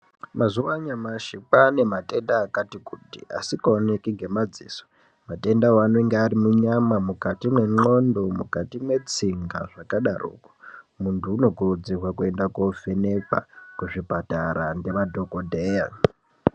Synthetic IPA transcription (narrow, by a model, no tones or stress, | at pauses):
mazuwaɲamaʃipane̞mate̞ndaːkatikutḭa̰sikaonekiŋɡe̞mad͡ziːso̥ | mate̞ndawanoiŋɡearimuɲamamukatimwe̞ŋ͡ǃo̞ndo̞mukatimwe̞t͡siŋɡa̰ʐakaɗaro̰ːko̥ | muntʰuːno̞kurud͡zirwakue̞ndakofene̞pa̰kuʐipataɾande̞ʋadʱo̞kodʱeja